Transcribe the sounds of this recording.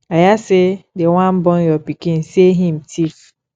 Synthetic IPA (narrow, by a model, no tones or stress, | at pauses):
ajasedewãm̩bɔ̃njɔpikĩn̩seɦĩm̩tʰif